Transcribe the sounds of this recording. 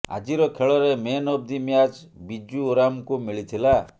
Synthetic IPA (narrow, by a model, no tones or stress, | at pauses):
a̰d͡ʒiɾɔkʰeɭɔɾemenɔb̚d̪imjad͡ʒ | bid͡ʒuːɾamkumiɭit̪ʰila